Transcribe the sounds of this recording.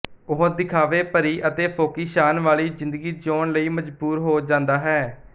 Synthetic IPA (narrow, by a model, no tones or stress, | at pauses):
ʊɦõːd̪ɪkʰaːʋeːpəɾiːʔət̪eːpʰoːkiːʃaːnʋaːliːzɪ̃nd̪əɡiːd͡ʒoːɳləiːməd͡ʒbuːɾɦoːd͡ʒãːnd̪aːɦɛː